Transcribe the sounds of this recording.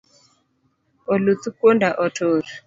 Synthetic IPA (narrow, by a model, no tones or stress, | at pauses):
ɔlutukondaʔɔtʰoːɾu